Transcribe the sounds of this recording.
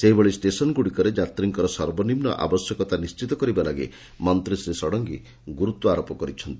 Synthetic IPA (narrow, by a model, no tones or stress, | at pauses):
seɦibeɭisʈesɔnɡuɽikɔɾed͡ʒat̪ɾiŋkɔɾɔsɔɾbɔnimnɔ̰ʔa̰bɔsjɔkɔt̪anist͡ʃit̪ɔkɔɾibalaɡe | mɔnt̪ɾisɾesɔɽɔŋɡi | ɡuɾut̪wɔaɾopɔkɔɾit͡ʃʰɔnt̪i